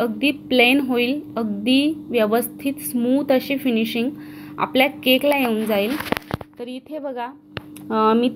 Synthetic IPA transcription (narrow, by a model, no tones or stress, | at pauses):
əɡ̚d̪iːplenɦoiːləɡd̪iːʋjəʋəst̪ʰiːt̪smuːd̪əɕefiniɕiŋɡa̰pljakeklajeund͡zaiːlt̪əɾiːt̪ʰebəɡʱa | miː